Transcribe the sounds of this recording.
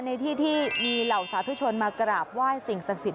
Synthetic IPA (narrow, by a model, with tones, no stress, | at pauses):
na˧jt̪ʰiː˥˩t̪ʰiː˥˩miː˧la˨˩wsaː˨˦t̪ʰu˦˥˩t͡ɕʰo˧nmaː˧kɾaː˨˩p̚waː˥˩jsi˨˩ŋsa˨˩k̚si˨˩t̪̚